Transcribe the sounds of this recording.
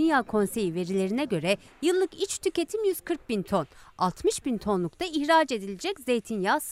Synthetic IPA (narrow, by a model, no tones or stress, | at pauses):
injaːkʰo̞nse̞jive̞ɾilʲe̞ɾinɛɟø̞ɾɛjɯlˠːɯkit͡ʃt̪ʰyce̞t̪ʰimjyz̥kʰɯɾk̚bint̪ʰo̞nalˠt̪mɯʃbint̪ʰo̞nlˠukt̪ʰaiçɾaːd͡ʒe̞d̪ilʲed͡ʒɛcze̞jt̪ʰinjaːs